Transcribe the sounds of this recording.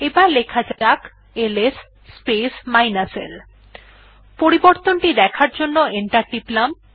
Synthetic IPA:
ebalekʰad͡ʑaak | eles | spesmajnasḛl | poɾiboɾt̪onʈid̪ɛkʰaɾd͡ʑonːoeɳʈaɾɖiplam

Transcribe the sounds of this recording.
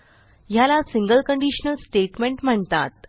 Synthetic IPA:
jalasiŋɡəlkəɳɖiɕnəlsʈeʈmeɳʈm̤əɳt̪a̰t̪̚

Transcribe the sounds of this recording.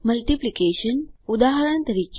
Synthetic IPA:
məlʈiplikeɕənud̪aɦəɾəɳt̪əɾiːk

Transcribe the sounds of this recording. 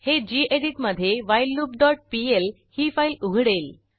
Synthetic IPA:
hed͡ʑiːʔeɽiʈməd̪ʱːjeʋajlːuːp̚ɖɔʈ̚piel | hiːfailuɡʱɽel

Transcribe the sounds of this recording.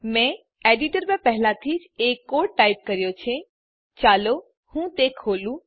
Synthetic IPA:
mɛ̃ | eɖiʈəɾmẽpɛɦlat̪ʰid͡ʒekːoːɖʈːaip̚kəɾjot͡ʃʰẽ | t͡ʃaːlo | hũt̪ekʰoːlũ

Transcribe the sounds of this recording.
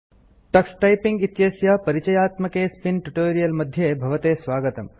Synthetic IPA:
ʈɐksʈɐjpiŋɡit̪jɐsjaːpɐɾit͡ʃɐjaːt̪mɐkeːspinʈuʈoːɾijɐlmɐd̪ʱjebʱɐʋɐt̪eːsʋaːɡɐt̪ɐm

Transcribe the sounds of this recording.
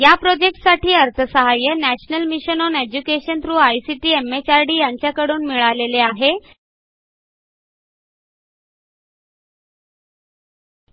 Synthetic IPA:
japɾod͡ʑek̚ʈsaʈʰiːəɾt̪ʰəsəɦajːənæɕnəlmiɕənɔned͡ʑukeɕənt̪ɾuːajsiʈiːemet͡ɕaɾɖiːjaɲt͡ɕjakəɽuːnmiɭaleleaɦe

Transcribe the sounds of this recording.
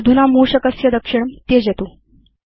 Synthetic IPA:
d̪ʱunamuːɕəkəsjəd̪əkʂiɳmt̪ed͡ʑet̪u

